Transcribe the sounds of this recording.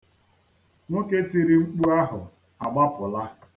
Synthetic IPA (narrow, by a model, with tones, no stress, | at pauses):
no˦ke˦ti˨ɾi˦ŋ͡m̩˦k͡pu˦a˦ɦʊ˨ | a˨ɡ͡ba˦pʊ˨la˦